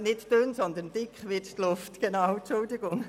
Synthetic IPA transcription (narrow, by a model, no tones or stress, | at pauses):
nɪttønsɔnd̪əndɪkχʋɪttlʊftɡ̥ɛnaʊt͡ʃʊldɪɡʊŋ